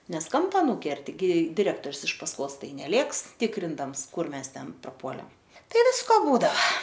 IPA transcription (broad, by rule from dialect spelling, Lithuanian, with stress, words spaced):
ˈnʲɛs ˈkɐmpɐ ˈnuːkʲɛrʲtʲɪ ˈɡʲɪ dʲɪˈrʲæːktoːrʲs ɪʃ pɐsˈkoːs ˈtɐɪ nʲɛˈlʲeːks ˈtʲɪkrʲɪndɐms ˈkʊr ˈmʲɛs ˈtʲɛn prɐˈpuɔlʲɛ ˈtɐɪ ˈʋʲɪskoː ˈbuːdɐʋɐ